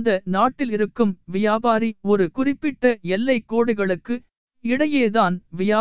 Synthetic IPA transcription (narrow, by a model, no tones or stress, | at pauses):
d̪ɐnaːʈːɪlɪɾɯkːɯmʋɪjaːbaːɾiɔɾɯkʊrɪpːɪʈːɐɛlːɐɪkːoːɽɯɣɐɭɯkːɯ | ɪɽɐjeːðaːnʋɪjaː